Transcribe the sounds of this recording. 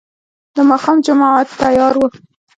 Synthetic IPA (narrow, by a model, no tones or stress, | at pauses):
d̪əmɑxɑmd͡ʒamɑʕat̪ːajɑɾwə